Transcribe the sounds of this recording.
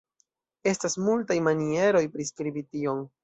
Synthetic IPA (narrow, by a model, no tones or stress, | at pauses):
e̞stasmultajmanie̞ɾo̞jpɾiskɾibitio̞ŋ